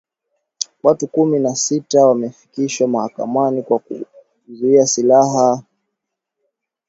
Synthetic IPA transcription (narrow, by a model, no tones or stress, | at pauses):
watukuminasitawamɛfi̥kiʃwamahaka̰manikwakṵ | zuiasilaɦa